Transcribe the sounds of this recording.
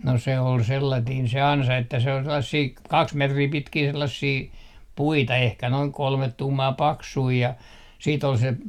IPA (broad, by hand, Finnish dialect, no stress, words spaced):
no se ol selːɑtiːn se ɑnsɑ etːæ se ol selːɑsːiː kɑks metriː pitkiː selːɑsːiː puitɑ ehkæ noiŋ kolmet tuːmɑː pɑksui jɑ siːt ol se